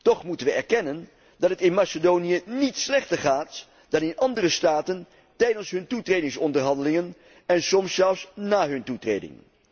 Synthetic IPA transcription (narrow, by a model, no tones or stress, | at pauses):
tɔχmutənʋəɛɹkɛnən | dɑtɦətɪnmasədownijənitslɛχtəɹχaːt | d̥ɑnɪnʔɑndərəstaːtən | tɛjdənsɦɵntutrejdɪŋsɔndəɹɦɑndəlɪŋən | ɛnsɔmsɛlˠfsnaːɦɵntutrḛjdɪ̰ŋ